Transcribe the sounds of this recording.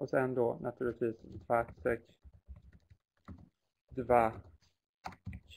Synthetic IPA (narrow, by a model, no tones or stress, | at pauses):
ʔɔsɛnd̪onʔat̪ʰʉ̟ːɭɪt̪viːsd̪vaʈsɛks | d̪va